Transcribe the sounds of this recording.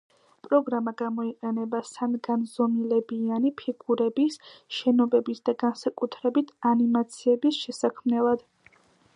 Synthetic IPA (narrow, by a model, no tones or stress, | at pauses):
pʼɾɔɡɾamaɡamɔiqʼɛnɛbasanɡanzɔmilɛbianipʰiɡ̥uɾɛbisʃɛnɔbɛbisd̪aɡansakʼut̪ʰɾɛbit̪ʰanimat̪sʰiɛbisʃɛsakʰmnɛlˠad̪̥